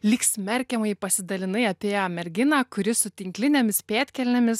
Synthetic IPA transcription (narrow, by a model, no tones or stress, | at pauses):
lʲiːksʲmʲɛɾʲkʲɛmɐɪpɐsʲɪd̪ɐlʲɪnɐɪɐpʲeːjoːmʲɛɾʲɡʲɪnaːkʊɾʲɪsʊt̪ʲɪŋʲklʲɪnʲɛmʲɪspʲeːt̪ʲkʲɛlʲnʲɛmʲɪs